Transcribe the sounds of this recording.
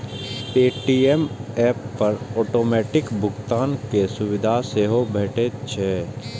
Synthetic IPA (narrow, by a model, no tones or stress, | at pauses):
peːʈiɛmɛːpːɐɾɔːʈoːmɛːʈɪkbʊɡt̪aːnkesʊwɪd̪ʱaseːɦobʱɛːʈet͡ʃʰɛ